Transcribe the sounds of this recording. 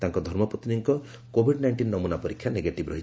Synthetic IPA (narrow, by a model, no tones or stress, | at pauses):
t̪aŋkɔd̪ʱɔɾmɔpɔt̪iniŋkɔ | kobʱiɖnajɳʈinːɔmunapɔɾikʰjaneɡeʈibɾɔɦi̥